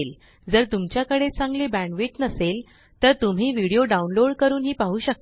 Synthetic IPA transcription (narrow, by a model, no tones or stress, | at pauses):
l | d͡zəɾt̪umt͡ɕjakəɽet͡sãŋɡlebæ̃ɳʋiʈnəsel | t̪əɾt̪um̤iːʋiɽijoɖaunloɽkəɾuːnɦiːpaɦuːɕək̚t̪